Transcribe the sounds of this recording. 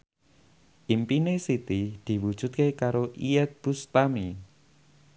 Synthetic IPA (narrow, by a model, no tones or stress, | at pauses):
ʔimpinesit̪id̪̥i̤wud̥ʒ̥ʊ̤t̪̚kekaɾoʔiɛt̪̚b̥ust̪ami